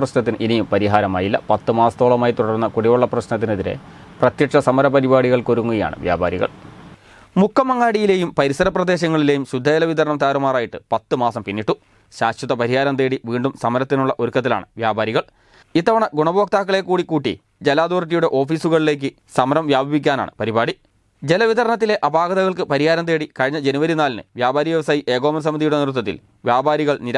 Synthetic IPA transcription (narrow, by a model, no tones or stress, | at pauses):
prɐɕnɐt̪̬ːinʔinijumpɐɾiɦaːɾɐma̰ːjilːɐ̰pɐt̪ːɨmaːsɐt̪o̞ːɭɐmaːjit̪uɽɐrunːɐkuɽiʋɐɭːɐprɐɕnɐt̪ːineðiɾḛ | prɐt̪jɐkʂɐsɐmɐɾɐpɐɾibaːɽiɣɐɭko̞ɾuŋːuɣɐja̰ːɳɨ̰ʋja̰ːba̰ːɾiɣɐ̰ɭ | mukʰːɐmɐŋːaːɽijile̞ːjumpɐɾisɐɾɐprɐd̪e̞ːɕɐŋːɐɭile̞ːjumɕud̪ʱːɐd͡ʑɐlɐʋid̪ɐɾɐnɐmt̪aːɾɐmaːraːjiʈːɨpɐt̪ːɨmaːsɐmpinːiʈːu | ɕaːɕjɐt̪ːɐpɐɾiɦaːɾɐnt̪eːɽiʋiːɳɖumsɐmɐɾɐt̪ːinuɭːɐʔo̞ɾukːɐt̪̬ːila̰ːɳɨʋjaːbaːɾiɣɐɭ | it̪ːɐʋɐɳɐɡuɳɐboʋːk̚t̪aːkːɐɭe̞kːuːɽikːuːʈːḭ | d͡ʑelaːd̪oːrʈ̬ːijuɽeʔo̞ːfiːsuɣɐɭile̞ːk̬ʲːɨ | sɐmɐɾɐmʋjaːbʱɐʋik̬ʲːaːna̰ːɳɨ̰pɐɾibaːɽi | d͡ʑe̞lɐʋid̪ɐɾɐɳɐt̪ːile̞ʔɐbaːɡɐðɐɣɐɭkɨpɐɾihaːɾɐnd̪e̞ːɽikɐɻiɲːɐd͡ʑe̞nuʋɐɾinaːlnɨ̰ʋjaːbaːɾiʋjɐʋɐsaːjiʔe̞ːɡo̞ːmɐns̬ɐmiðijuɽe̞nirut̪̬ːɐt̪̬ːḭl | ʋjaːbʱaːɾiɣɐɭniɾ